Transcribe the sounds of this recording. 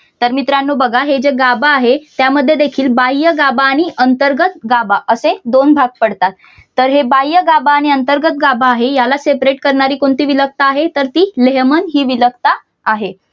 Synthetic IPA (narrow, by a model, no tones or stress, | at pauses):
t̪əɾmit̪ɾanːobəɡʱaɦed͡ʑeɡabaːɦet̪jaməd̪ʱːjed̪ekʰiːlbajjəɡabaːɽ̃iʔənt̪əɾɡət̪̚ɡabaʔəsed̪onbʱaɡ̚pəɽt̪at̪ː | əɾɦebajjəɡabaːɽ̃iənt̪əɾɡət̪̚ɡabaːɦejalasepɾeʈkəɾɳaɾiːkoɳt̪iːʋilək̚t̪aːɦet̪əɾt̪iːleɦmənɦiːʋilək̚t̪aː | ɦe